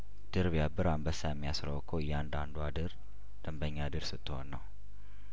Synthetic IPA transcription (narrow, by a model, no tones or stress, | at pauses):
d̪̥ɨɾβjabɨɾambəsajɛmːijasɾəwkʰːojɛand̪and̪uad̪ɨɾ | d̪̥əmbəɲːad̪ɨɾsɨt̪ʰːɨhonːəw